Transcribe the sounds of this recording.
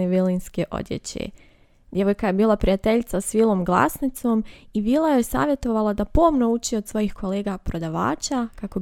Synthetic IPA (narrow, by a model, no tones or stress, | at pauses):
eʋilinskeʔo̰d̪jḛt͡ɕḛ | d̪jeʋo̞jkaje̞biːlˠapɾijat̪e̞ʎt̪sasʋiːlˠo̞mɡlˠa̰snɪt̪so̞ːmiʋiːlˠajojsa̰ːʋje̞t̪o̞ʋalˠad̪apomno̞ut͡ʃiod̪sʋo̞jixkʰo̞leːɡapɾo̞d̪aʋa̰ːt͡ɕakako̞